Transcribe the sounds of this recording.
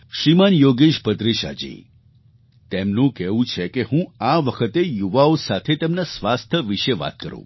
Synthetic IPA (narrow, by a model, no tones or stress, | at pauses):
ʃɾimanjoɡeʃpət̪ɾiʃa̰d͡ʒḭ | t̪emnũkɛʋũt͡ʃʰekeɦũaʋəkʰət̪ejuʋaosat̪ʰet̪emnasʋast̪ʰəʋiʃeʋa̰t̪̚kə̰ɾṵ̃